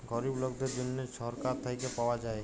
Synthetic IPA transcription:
ɡɔɾibloɡd̪eɾd̪inːet͡ʃʰɔɾkaɾt̪ʰajkepawad͡ʒae

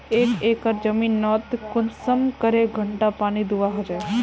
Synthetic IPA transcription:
ekekəɾd͡ʒəminːɔt̪kʊnsəmkəɾeɡʱəɳʈapaɽ̃id̪uʋaɦəd͡ʒe

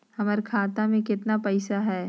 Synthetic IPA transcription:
hɐmaɾkʰaːt̪amẽkɪt̪napɛɪsaɦɛː

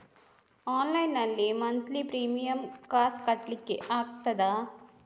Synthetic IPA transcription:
aːnlɐjnɐlːemɐnt̪lipɾiːmijɐmkaːskɐʈlikːeʔaːk̚t̪ɐd̪aː

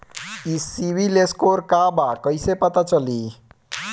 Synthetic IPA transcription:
isibʱileskoɾkabakʌjsepət̪at͡ʃʌli

